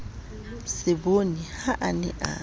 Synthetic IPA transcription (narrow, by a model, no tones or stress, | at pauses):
sɪbonihaʔanɛ̰ʔa̰